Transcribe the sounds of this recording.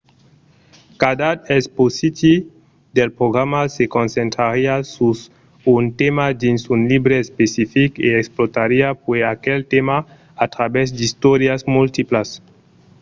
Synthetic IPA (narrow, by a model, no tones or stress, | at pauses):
kad̪at̪esposit̪i | d̪elpɾoɣɾamasekonsent̪ɾaɾiasus | unt̪emad̪insunlibɾeespesifikeeksplot̪aɾiapweakelt̪ema | at̪ɾabɛzd̪ist̪ɔɾjazmult̪iplas